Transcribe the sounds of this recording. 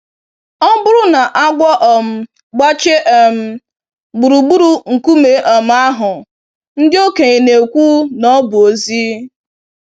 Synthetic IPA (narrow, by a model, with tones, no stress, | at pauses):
ɔ˦bʊ˦ɾʊ˦na˨ʔa˦ɡʷɔ˦ʔɔ˨m̩˦ | ɡ͡bɔ˦t͡ʃe˦ʔe˨m̩˦ | ɡ͡bu˨ɾu˨ɡ͡bu˦ɾu˨ŋ̩˨ku˦me˨ʔɔ˨m̩˦a˦ɦʊ˨ | n̩˦dɪ˦o˦ke˨ɲe˨ne˨kʷuː˦nɔ˦bʊ˨o˨zi˦